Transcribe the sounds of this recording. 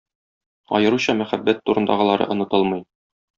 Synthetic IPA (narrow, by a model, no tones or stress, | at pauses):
ɒ̰jɤ̆ɾuɕɑmæχæbːæt̪ːuɾɤ̆nd̪ɑʁɤ̆lˠɑɾɤ̰ʔŏnɤ̆t̪ɤlˠmɤj